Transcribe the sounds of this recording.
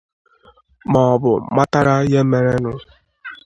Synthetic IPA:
mɔ˨bʊ˨ma˦ta˦ɾa˦je˦me˨ɾe˦nʊ˦

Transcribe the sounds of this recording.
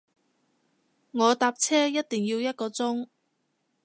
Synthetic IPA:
ŋɔː˨˧t̪aː˨˧p̚t͡sʰɛː˥jɐ˥t̚t̪ɪ˨˩ŋjiː˧wjɐ˥t̚kɔː˧t͡sʊ˥ŋ

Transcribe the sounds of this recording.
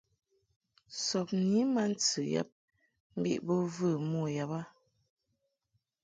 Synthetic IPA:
sɔ˨p̚ni˨˦ma˦n̩˦t͡sɨ˨ja̰˨p̚ | m̩˦bḭ˦˨ʔbɔ˦vɨ˦˨mɔ˦˨ja˨pa˦

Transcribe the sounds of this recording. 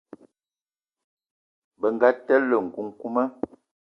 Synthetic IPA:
bə˨ŋ˨ɡa˦tɛ˦lːə˨ŋ̩˨ku˨ŋku˦mə˦

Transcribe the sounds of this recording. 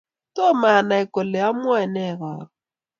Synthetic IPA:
tɔ˦ma˨na˨ɛ˨kɔ˨lɛ˨ja˦mwɛ˦˨nɛ˦˨ɣaː˨ɾɔ˨

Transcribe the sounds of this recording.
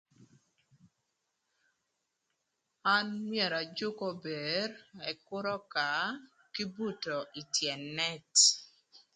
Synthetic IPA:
a˦nmjɛ˨ɾa˨d͡ʒʊ˦kɔ˦be˨rɛ˨kʊ˦ɾɔ˦ka˨ | ki˦bu˦˨tɔ˨ʔi˨tjɛ˨nːɛ˦t

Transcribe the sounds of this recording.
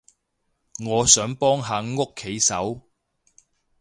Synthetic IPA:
ŋɔː˨˧sœː˨˥ŋpɔː˥ŋɦaː˨˧ŋo˥kʰːe˨˥jsɐ̰˨˥w

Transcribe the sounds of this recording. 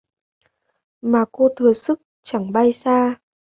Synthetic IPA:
maː˨˩ko˧t̪ʰɨ˨˩əsɨ˦˥k̚ | t͡ɕa˧˩ŋɓa˧jsaː˧

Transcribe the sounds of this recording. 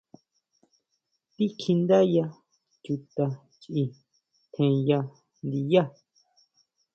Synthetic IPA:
t̪i˦kʰi˧nd̪a˦ja˧ | t͡ʃu˧t̪a˧ | t͡ʃʔi˧ | t̪ʰẽ˧ja˧ | nd̪i˧ja˦˨

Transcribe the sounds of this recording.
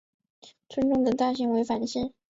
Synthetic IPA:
t͡sʰwə˥nʈ͡ʂʊ˥˩ŋd̪ə˨t̪a˥˩ɕi˧˥ŋwe˧˥ɪfa˨˩nɕi˥˩

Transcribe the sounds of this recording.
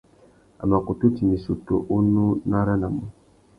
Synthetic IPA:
a̰˨ma˨ko˨tu˦ti˨ni˨su˨to˨ʔu˦nu˦na˦ɾa˦na˨mu˨˦

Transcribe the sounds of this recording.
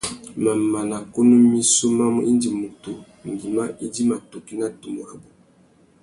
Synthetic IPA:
ma˨ma˨na˨ko˦no˦mi˦so˦ma˦mɔ˦ʔi˦ndi˨mu˨tu˨ | ŋ˨ɡi˨ma˦ʔi˦di˦ma˨to˨ki˦na˦tu˨mo˨a˨bu˨

